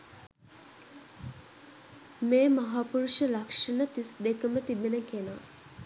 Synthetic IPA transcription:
meːmɐɦaːpuɾuʂəlakʂɐnət̪isd̪ekəmət̪ibenəkena

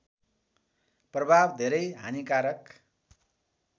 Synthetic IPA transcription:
prʌbʱabd̪ʱeɾʌjɦa̰nikaɾʌk

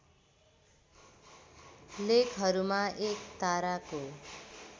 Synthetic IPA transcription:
lekʰɦʌɾumaʔekt̪aɾako

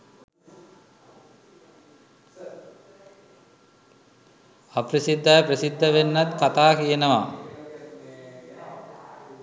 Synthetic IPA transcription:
aprəsid̪ʱːajəprəsid̪ʱːəʋenːat̪kat̪aːkijənəʋa

